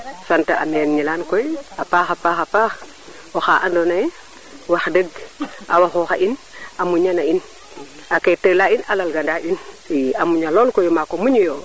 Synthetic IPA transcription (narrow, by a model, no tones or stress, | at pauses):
santaa̰mɛnɲilankɔjapaːxapaxapax | ɔxaʔandɔna | waxdəɡʔa̰waxɔxaʔin | amuɲanain | aketəlainalalɡandain | amuɲalɔlkɔjmakomuɲijo